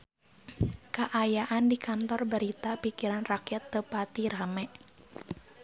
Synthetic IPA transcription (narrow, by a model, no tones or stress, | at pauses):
kaʔajaʔandikant̪ɔrbəɾit̪apikiɾanrakjat̪ːəpat̪iɾamɛʔ